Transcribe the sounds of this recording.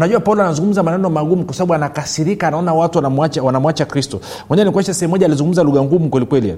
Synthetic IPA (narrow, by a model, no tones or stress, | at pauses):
naʄuapaulɔanazuŋɡum̩zamanɛnɔmaɡumukwasaɓaɓuanakasiɾikaːnaɔnawatumat͡ʃawanamwat͡ʃakɾistɔ | mɔɲɛanikwɛʃasɛɛm̩ːɔʄaːlizuŋɡum̩zaluɣaŋɡumukwɛlikwɛlia̰